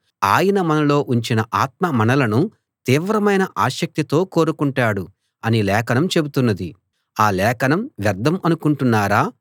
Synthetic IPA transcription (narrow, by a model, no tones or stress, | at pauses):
aːjɐnɐmɐnɐlo̞ːʔuɲt͡ʃinɐʔaːt̪̚mɐmɐnɐlɐnu | t̪iːʋɾɐmɐjnɐʔaːʃɐk̚t̪it̪o̞ːko̞ːɾukuɳʈaːɽu | ɐnilɛːkɐnɐmt͡ʃe̞but̪unːɐd̪i | aːlɛːkɐnɐmʋjɐɾd̪ʱːɐmɐnukuɳʈunːaːɾaː